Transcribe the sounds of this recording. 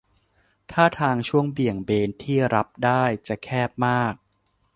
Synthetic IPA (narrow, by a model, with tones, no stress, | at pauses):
t̪ʰaː˥˩t̪ʰaː˧ŋt͡ɕʰu˥˩əŋbi˨˩əŋbeː˧nt̪ʰiː˥˩ɾa˦˥p̚daː˥˩jt͡ɕa˨˩kʰɛː˥˩p̚maː˥˩k̚